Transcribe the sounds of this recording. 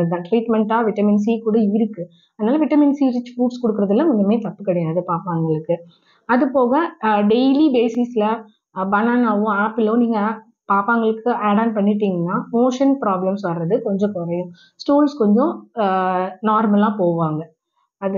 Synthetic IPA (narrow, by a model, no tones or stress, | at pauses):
d̪ãʈɾiːʈmɛɳʈaːʋɪʈɐmɪns̬ikuːɽɐɪɾɯkːɯ | ɐðɐnaːlɐʋɪʈɐmɪnsiːɾɪt͡ʃːfuːʈskɔɽɯkːɪɾɐðɪlːɐ̃ɔɲɡɐmeːt̪ɐpːɯkːɐɽɐjaːðɯpaːɾpaːŋɡɐɭɯkːɯ | ɐðɯpoːɣɐɖɛjlibeːsɪslɐ | bɐnaːnaːʋʊ̃aːpɪlõniːŋɡɐ | paːɾpaːŋɡɐɭɯkːɯʔaːɽaːnpɐɳːɪʈ̬ːiːŋɡɐnːaːmoːʂɐnpɪɾaːblɐmsʋɐɾɾɐðɯkɔɲd͡ʒɔ̃kʊɾɐjʊ̃ | sʈuːlskɔɲd͡ʒɔ̃ | naːɾmɐlaːpoːʋaːŋɡɐ | ɐð